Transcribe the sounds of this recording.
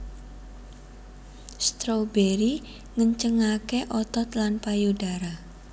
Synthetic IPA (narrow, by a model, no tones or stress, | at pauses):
st̪ɾobeɾi | ŋəɲt͡ʃəŋakeʔɔt̪ɔt̪lanpajudaɾa